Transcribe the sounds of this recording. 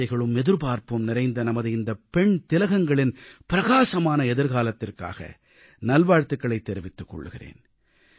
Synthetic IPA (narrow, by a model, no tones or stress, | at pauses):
ɐɪɣɐɭɯmɛðɯɾpaːɾpɯmnɪɾɐɪnd̪ɐnɐmɐðɯɪnd̪ɐpɛɳt̪ɪlɐɣɐŋɡɐɭɪnpɪɾɐɣaːsɐmaːnɐɛðɯɾɣaːlɐt̪ːɪrka̰ːɣɐ̰ | nɐlʋaːɻt̪ɯkːɐɭɐɪt̪ːɛɾɪʋɪt̪ːɯkːɔ̰ɭːɯ̰ɣɪ̰rḛːn